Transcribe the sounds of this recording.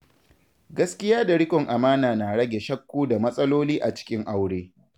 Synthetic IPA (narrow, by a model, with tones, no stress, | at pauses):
ɡɐ˦skʲɪ˦jaː˦da˨ɽɪ˦kɔ˨ŋʔa˨maː˦naː˨na˨ɽɐ˦ɡʲe˨ʃɐ˦kːuː˦da˨mɐ˦sʼɐ˦loː˦liː˦ʔa˨t͡ʃɪ̥˦kʲɪ˦ŋʔa˦wɽeː˦